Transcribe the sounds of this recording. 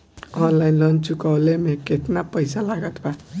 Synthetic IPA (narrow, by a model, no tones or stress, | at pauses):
ɔnlainlʌnt͡ʃukawlemeket̪napəjsalaɡʌt̪ba